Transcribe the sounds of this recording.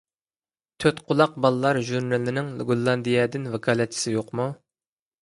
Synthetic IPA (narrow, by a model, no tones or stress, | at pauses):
t̪ʰøt̪qʰʊlˠɑq̚bɑlˠɨlˠɑɾʒuɾnɨlɪnɪŋɡolˠːɑnd̪ijɛd̪ɪnvɛkʰɑːlˠɛt͡ʃːʰi̥sɪjoqmu